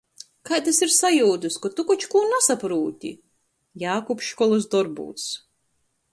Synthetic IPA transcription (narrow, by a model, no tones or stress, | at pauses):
kajd̪asiɾsajuːd̪ɨskɔt̪ukɔt͡ʃkuːnasapɾuːt̪ʲḭ | jaːkupʃkɔlˠusd̪ɔɾbṵːt̪s